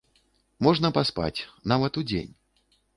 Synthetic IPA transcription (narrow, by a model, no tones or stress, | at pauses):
mɔʐnɐpaspa̰t͡sʲnavɐt̪ud͡zʲḛnʲ